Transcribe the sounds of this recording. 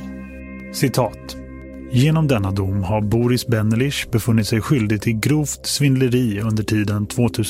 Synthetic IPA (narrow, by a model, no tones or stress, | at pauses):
sɪt̪ʰɑːt̪ | jeːnɔmd̪ɛnːad̪ʊmːhaɾbuːɾɪsbɛnːəlɪʂbɛfɵnːɪt̪sɛjɧʏld̪ɪɡ̚t̪ʰɪlɡɾuːft̪svɪnləɾiːɵnd̪əʈʰiːd̪ənt̪ʰv̥oːt̪ʰʉ̟ː